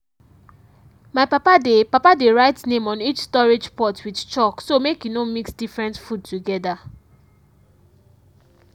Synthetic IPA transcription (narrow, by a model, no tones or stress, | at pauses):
maɪpapadepapadeɹaɪtnẽmɔ̃nit͡ʃstɔɹed͡ʒpɔtwidt͡ʃɔksomekjunomiksdifɹɛ̃ntfud̚tuɡɛda